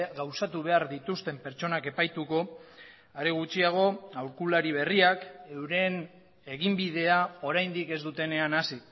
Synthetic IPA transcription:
ɡawsat̪uβ̞e̞aɾðit̪ust̪e̞mpe̞ɾt͡ʃo̞nake̞pajt̪uko̞ | aɾeɣ̞ut͡ʃiaɣ̞o̞awɾkulaɾiβ̞e̞riake̞wɾe̞n | e̞ɣimbið̞e̞ao̞ɾajnd̪ike̞zd̪ut̪e̞ne̞anasi

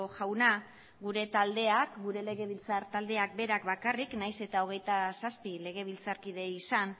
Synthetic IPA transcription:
oʝawna | ɡuɾe̞t̪ald̪e̞akɡuɾe̞le̞ɣ̞e̞βilt͡saɾt̪ald̪e̞ak̚be̞ɾakbakariknajse̞t̪ao̞ɣ̞e̞jt̪asaspile̞ɣ̞e̞β̞ilt͡saɾkiðe̞isan

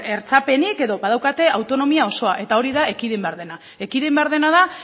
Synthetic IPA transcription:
e̞ɾt͡sape̞nike̞ðo̞βað̞awkat̪e̞awt̪o̞no̞miao̞so̞aʔe̞t̪ao̞ɾiðae̞kiðimbe̞aɾðe̞na | e̞kiðimbe̞aɾð̞e̞naða

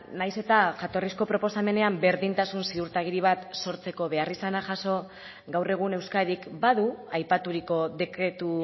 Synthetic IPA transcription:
najse̞t̪aʝat̪o̞risko̞pɾo̞po̞same̞ne̞ambe̞ɾðint̪asunsiðuɾt̪aɣ̞iɾiβ̞at̪so̞ɾt͡se̞ko̞βe̞arisanaʝaso̞ | ɡawre̞ɣ̞une̞wskaðikbaðuajpat̪uɾiko̞ðe̞kɾe̞t̪u

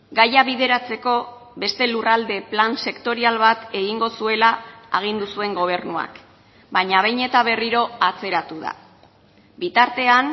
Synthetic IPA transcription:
ɡajaβiðe̞ɾat͡se̞ko̞ | βe̞st̪e̞lurald̪e̞planse̞kt̪o̞ɾialβat̪e̞ɣiŋɡo̞sue̞laːɣ̞ind̪usue̞ŋɡo̞β̞e̞rnua̰k | baɲaβ̞ejɲe̞t̪aβ̞e̞riɾo̞at͡se̞ɾat̪uð̞a̰ | bit̪aɾt̪e̞an

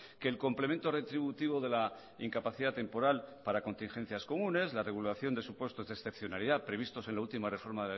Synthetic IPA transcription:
keːlko̞mplement̪o̞re̞t̪ɾiβut̪iβ̞o̞ðe̞la | iŋkapaθiðat̪e̞mpo̞ɾalpaɾako̞nt̪inxe̞n̟θjasko̞mũne̞zlare̞ɣulaθjo̞nd̪e̞supwe̞st̪o̞zðesθe̞pθjo̞naliðapɾe̞βist̪o̞se̞nlault̪imare̞fo̞ɾmaðe̞la

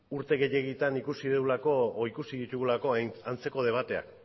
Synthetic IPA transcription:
uɾt̪e̞ɣe̞je̞ɣit̪anikusiðewlako̞ikusiðit̪uɣulako̞ant͡se̞ko̞ð̞e̞β̞at̪e̞a̰k

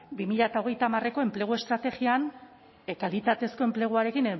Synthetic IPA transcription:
bimiʎat̪aoɣ̞e̞jt̪amare̞ko̞e̞mple̞ɣ̞ue̞st̪ɾat̪e̞ɣian | kalit̪at̪e̞sko̞e̞mple̞ɣ̞uaɾe̞kin

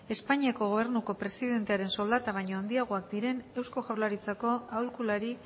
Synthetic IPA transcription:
e̞spaɲiako̞ɣ̞o̞β̞eɾnuko̞pɾe̞siðe̞nt̪eaɾe̞nso̞ld̪at̪aβ̞ajɲo̞and̪iaɣ̞o̞akd̪iɾe̞ne̞wsko̞ʝawɾlaɾit͡sako̞awlkulaɾi

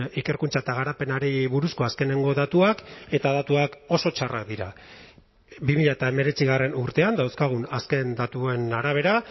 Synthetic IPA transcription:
ike̞ɾkunt͡saet̪aɣ̞aɾape̞naɾiβuɾusko̞aske̞ne̞ŋɡo̞ðat̪uake̞t̪aðat̪uako̞so̞t͡ʃara̰k̚d̪iɾa̰ | bimiʎaet̪aeme̞ɾe̞t͡siɣ̞are̞nuɾt̪e̞and̪awskaɣ̞unaske̞nd̪at̪ue̞naɾaβ̞e̞ɾa

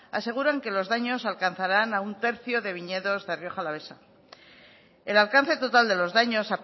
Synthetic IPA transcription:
a̰se̞ɣ̞uɾaŋke̞lo̞zðaɲo̞salkan̟θaɾanaunt̪e̞ɾθjo̞ðe̞βiɲe̞ðo̞zðerjo̞xalaβe̞sa | e̞lalkanθe̞t̪o̞t̪ald̪e̞lo̞zðaɲo̞sa

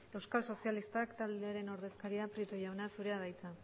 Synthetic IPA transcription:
e̞wskalso̞sialist̪akt̪ald̪e̞aɾe̞noɾðe̞skaɾiapɾit̪ojawnasuɾe̞aðajt͡sa

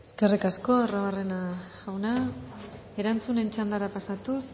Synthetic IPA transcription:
eske̞rikasko̞aroβare̞naawna | eɾant͡sune̞nt͡ʃand̪aɾapasat̪us

